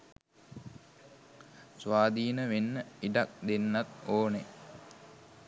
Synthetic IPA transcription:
sʋaːd̪iːnəʋenːəiʈak̚d̪enːat̪oːne

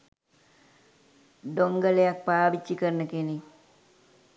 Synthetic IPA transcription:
ɖoŋɡələjak̚paːʋit͡ʃːikərnəkeni

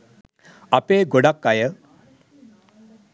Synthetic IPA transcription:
apeːɡoɽakːajə

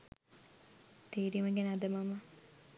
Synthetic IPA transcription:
t̪eːɾiməɡænəad̪əmama

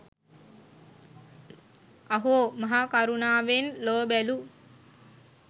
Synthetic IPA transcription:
aɦuomaɦakaɾunaːʋenloːbælu

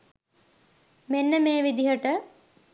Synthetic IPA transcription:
menːəmeːʋid̪iɦəʈə

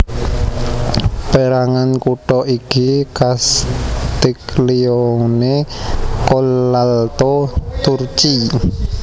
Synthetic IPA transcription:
pəɾaŋankuʈɔʔikikast̪ikliɔnekolːalt̪ot̪urt͡ʃi

